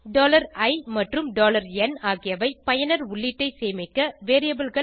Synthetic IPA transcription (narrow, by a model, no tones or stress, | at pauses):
ɖoːlɐɾɐɪmɐʈrɯmɖoːlɐɾɛnaːɣɪjɐʋɐɪpɐjɐnɐɾʊɭːɪʈːɐɪseːmɪkːɐʋeːɾɪjɐbɪlɣɐ